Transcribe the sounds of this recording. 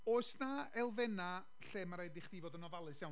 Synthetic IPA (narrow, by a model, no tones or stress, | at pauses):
oːsnaɛlˠvɛna | ɬeːmaɾajdɪχd̥ivɔdənɔvalˠɨsjaw